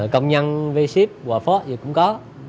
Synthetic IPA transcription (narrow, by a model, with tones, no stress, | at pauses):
kə˧wŋ͡mɲə˧nve˧si˦˥p̚ɓwa˨˩fɔ˦˥t̚zə˨˩kʊ̰˧˥ŋ͡mkɔ˨˦